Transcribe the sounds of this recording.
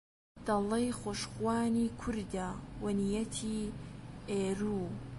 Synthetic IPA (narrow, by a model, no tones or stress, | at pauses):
d̪̥ɑlɐjxoʃxwaːniːkʰʊɾd̪awɐnijɐt̪ʰiː | eːɾuː